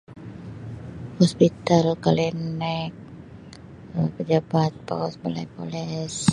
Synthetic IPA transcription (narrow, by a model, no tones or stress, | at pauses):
hɔspit̪alkalinɛk̚ | əpəd͡ʒabat̪̚pa̰kɔsbala̰jpo̰lɛs